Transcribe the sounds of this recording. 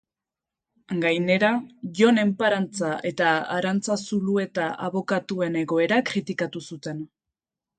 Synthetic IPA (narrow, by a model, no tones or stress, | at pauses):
ŋɡajne̞ɾaʝo̞ne̞mpaɾant͡saʔe̞t̪aaɾant͡sasulue̞t̪aʔaβo̞kat̪ue̞ne̞ɣo̞e̞ɾakɾit̪ikat̪usut̪e̞n